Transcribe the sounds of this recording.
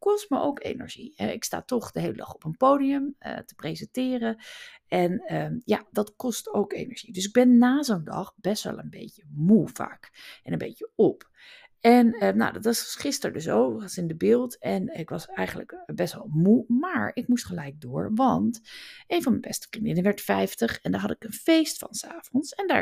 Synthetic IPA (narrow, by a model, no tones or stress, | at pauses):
kɔstməʔo̰wkḛjnə̰ɹʒiɛ̰ɪksta̰ːtɔχd̥əɦejlədɑχɔpənpowdiəmə̰tə̥prezɛntɪːrəɛnəjadɑtkɔstowkḛjnəɹʒ̥idɵs̬ɪɡ̚bɛnːaːzondɑ̰χb̥ɛstʋɛ̰lˠənbḛjcəmuva̰ːkɛnənbḛjcəɔp | ɛnəna̰wdɑtʋɑsχɪstəɹdøs̬oːvəχənsɪndəbɪːlˠtɛnɪkʋɑsɛjχəndlə̰kbɛstʋɛ̰lˠmumaːɹɪkmustχəlɛjk̚dʊːɹʋɑntejnvɑnmɛnbɛstə̥frindɪnəʋɛɹtfɛjftəχɛndaːɹɦɑtɪkənfejstfɑ̰nsa̰ːvɔnsɛnda̰